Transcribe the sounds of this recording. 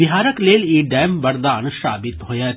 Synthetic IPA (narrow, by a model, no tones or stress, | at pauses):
ɪɦaːɾəkleːliːɖɛːmbɐɾd̪aːnʃa̰ːbɪt̪ɦoːjaː